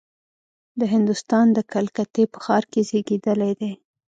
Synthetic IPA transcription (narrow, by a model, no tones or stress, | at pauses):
d̪əɦɪnd̪ʊst̪ɑnd̪əkalkat̪epə̥xɑɾkezeɡed̪əlajd̪ej